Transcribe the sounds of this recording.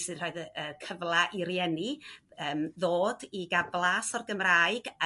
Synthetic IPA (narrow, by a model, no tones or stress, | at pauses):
sɨdr̥oːɨðəəːkʰəvlˠaʔiɾjɛniəːmðoːdiɡablˠasɔrɡəmraːɨɡ